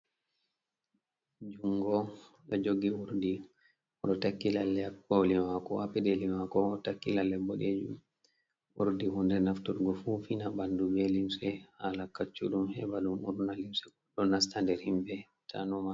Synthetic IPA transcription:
d͡ʒuŋɡɔ | lɔd͡ʒoɡiuɾdi | ɔɗɔtakːilalːɛolimakɔʔapɛɗelimakɔtakːilalːɛbːɔɗed͡ʒṵm | ṵɾdihundɛnaftuɾɡɔfufinabandubɛlimsɛhalakːat͡ʃːuɗumhɛbalumuɾnalimsɛɡɔɗːɔnas̬tandɛɾhimbɛ | tʰa̰nɔma

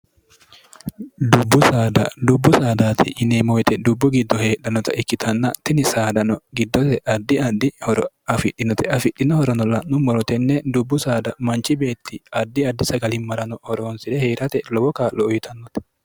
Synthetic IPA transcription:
d̪ʊbːʊsaːd̪ɐ̰d̪ʊbːʊsaːd̪aːt̪ʰɪ̰ʔɪnemɔjt̪ɛd̪ʊbːʊɡɪd̪ːɔhe̞ːɗɐnɔt̪ɐ̰ʔɪkːɪt̪ʰɐnːɐt̪ɪnɪsaːd̪ɐnɔɡɪd̪ːɔt̪ɛʔɐd̪ːɪɐd̪ːɪhɔɾ | ɐfɪɗːɪnɔt̪ɛɐfɪᶑːɪnɔhɔɾɔnɔlːɐnʊmːɔɾɔt̪ɛnːɛd̪ʊbːʊsaːd̪ɐmɐnt͡ʃɪbe̞ːt̪ːɪɐd̪ːɪɐd̪ːɪsɐɡɐlɪmɐɾɐnɔhɔɾoːnsɪd̪ɛheːɾʔɐt̪ɛlɔwɔkaːlɔːjɪt̪ʰɐnːɔt̪ɛ̥

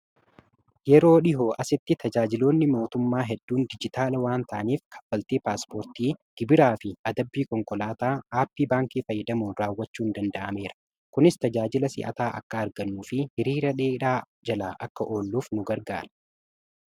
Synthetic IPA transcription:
jɛɾo̞ːᶑɪɦoːʔɐsɪt̪ːɪt̪ʰɐd͡ʒaːd͡ʒɪlo̞ːnːɪmo̞ːt̪ʊmːaːɦɛd̪ːuːnd̪ɪd͡ʒɪt̪aːlɐwaːnt̪ɐʔniːfkʰɐ̥fːɐlt̪eːpaːspoːɾt̪iːɡ̥ɪbɪɾaːfɪɐd̪ɐbːiːkɔŋkɔlaːt̪aːaːpːiːbaːŋkiːfɐjːɐd̪ɐmuːɾaːwːɐt͡ʃːuːnd̪ɐnd̪ɐʔɐme̞ːɾɐ̥ | kʊnɪst̪ɐd͡ʒaːd͡ʒɪlɐsɪ̰ʔɐ̰t̪aːʔɐ̰kːɐɐɾɡɐnːuːfɪhɪɾiːɾɐᶑeːɪᶑaː | d͡ʒɐlaːʔɐkːɐʔo̞ːlːuːfnʊɡɐɾɡa̰ːɾɐ̥

